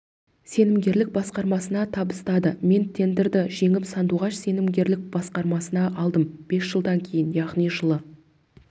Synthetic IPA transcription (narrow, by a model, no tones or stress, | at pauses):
se̞nɪmɡʲe̞ɾlɪk̚bɑsqɑɾmɑsənɑt̪ʰɑbəst̪ɑd̪əme̞nt̪ʰe̞nd̪ɪɾd̪ɪʒe̞ŋɪpsɑnd̪uʁɑʃse̞nɪmɡʲe̞ɾlɪk̚b̥ɑsqɑɾmɑsənɑʔɑlˠd̪əmb̥e̞sʒ̥əlˠd̪ɑŋkʲʰe̞jɪnjɑʁnijʒəlˠə